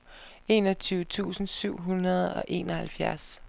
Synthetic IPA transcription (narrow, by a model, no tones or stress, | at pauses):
e̝̰ːnɒt͡sʰyːʊt͡sʰṵːsn̩syʊ̰ɦunɐð̞ˠɒ̽ʔe̝̰ːnɒhælfjæɐs